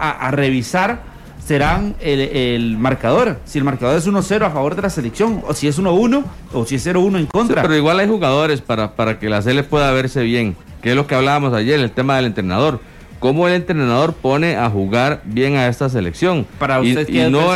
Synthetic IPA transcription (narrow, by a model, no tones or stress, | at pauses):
aʔare̞βisaɾ | se̞ɾaŋeelmaɾkað̞o̞ɾsie̞lmaɾkaðo̞ɾe̞s̬uno̞se̞ɾoafaβo̞ɾd̪e̞lase̞leksjo̞ŋosie̞s̬uno̞uno̞ː | siesːe̞ɾounoeŋko̞nt̪ɾapeɾoiɣwalajxuɣaðo̞ɾe̞spaɾapaɾake̞las̬elepwe̞ðaβe̞ɾse̞βje̞ŋ | keezlo̞keaβlaβamo̞saʝe̞ɾelt̪e̞mað̞e̞le̞nt̪ɾenað̞o̞ɾ | ko̞mo̞e̞le̞nt̪ɾenaðo̞ɾpo̞ne̞axuɣaɾbje̞ŋae̞st̪as̬e̞leksjo̞ŋpaɾaust̪ekeno